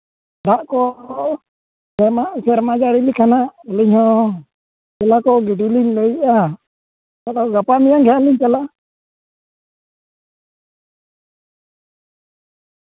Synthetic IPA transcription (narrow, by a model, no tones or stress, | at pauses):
ɾaʔkɔ | sɛmaʔsɛɾmad͡ʒaɾilikanaʔliɲhɔ | d͡ʒɛlakɔɡiɖiliɲləjʔa | aɗɔɡapamijaŋɡɛɦaliɲt͡ʃalaʔ